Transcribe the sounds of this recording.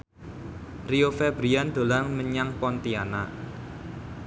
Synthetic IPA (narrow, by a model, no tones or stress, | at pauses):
riofɛb̥ɾiand̪̥o̤laŋməɲaŋpɔnt̪iana̰